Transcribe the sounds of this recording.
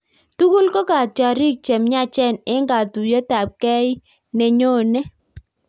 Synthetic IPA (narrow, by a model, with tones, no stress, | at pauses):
tu˦ku˦lko˦ka˨t̚t͡ʃa˨ɾi˦k̚t͡ʃe˨mɲa˦t͡ʃɛ˦˨nɪ˦ŋɡa˨tu˨je˦ta˨p̚kɛ˦ɪ˦ | ne˨ɲo˦˨nɛ˦